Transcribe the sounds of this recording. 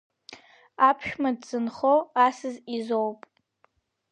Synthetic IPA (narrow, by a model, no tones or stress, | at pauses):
apʰʃᶣmadz̥ɨnχoasɨzizowpʼ